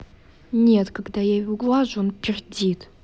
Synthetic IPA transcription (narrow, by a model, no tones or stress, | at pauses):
ɲet̪kaɡd̪ajaɡwaʑonpʲerd͡ʑʲit̪